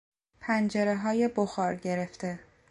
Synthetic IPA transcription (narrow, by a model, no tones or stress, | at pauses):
pʰænd͡ʒe̞ɾeɦɒːje̞boxɒːɾɟe̞ɾe̞ft̪e̞